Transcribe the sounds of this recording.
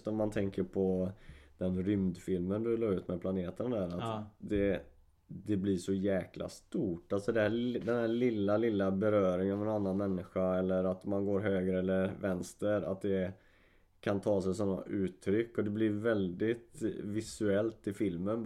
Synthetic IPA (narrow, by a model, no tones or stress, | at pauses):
t̪ɔmːant̪ʰɛŋkəɾpʰɔd̪̥ɛnɾʏmd̪fɪlmənd̪ɵloɾʉ̟ːt̪mɛpʰlaneːt̪ənd̪æːɾat̪d̪ɛ | d̪ɛblɪʂɔjɛːklʔa̰st̪uːʈalt̪sɔd̪ɛhæd̪ɛnhæːlɪlːalɪlːabɛɾœːɾɪŋvɛnanːanmɛnːɪɧaɛlːəɾat̪manɡoːɾɦøːɡɾəɛlːəɾvɛnst̪əɾa̰t̪̚d̪ɛ | kʰant̪ʰɑːsɛjsɔnːa̰ʔʉ̟ːt̪ʰːɾʏkːɔd̪ɛblɪɾvɛld̪ɪt̪vɪsʉɛlt̪ɪfɪlmən